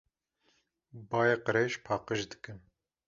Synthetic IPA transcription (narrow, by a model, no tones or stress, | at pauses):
bɑːjeqɨɾeːʃpʰɑːqəʒd̪ɨ̥kɨn